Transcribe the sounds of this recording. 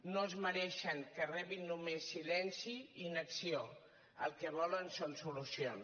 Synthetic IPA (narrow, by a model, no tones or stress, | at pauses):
nozməɾɛʃəŋkərɛβinːumesːilɛnsiinəksio | ə̰lˠkɛβɔlənsonsulusions